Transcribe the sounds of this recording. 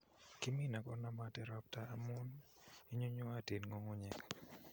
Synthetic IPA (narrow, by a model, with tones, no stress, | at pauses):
ki˦mi˦˨na˨kɔ˦na˦ma˨tɛ˦ɾɔ˦p̚taː˦mʊ˦ni˦ɲo˦ɲo˦a˦te˨nŋo˦ŋo˦ɲɛ˨kḁ